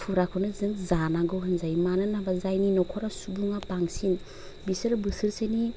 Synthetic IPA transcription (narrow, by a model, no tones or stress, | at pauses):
pʰuɾakʰɯnɯzɯŋzanaɡɯwɦɯnzajmanɯnabazajninɔkʰɔɾasubuŋapaŋsin | bisɯɾbɯsɯɾsejni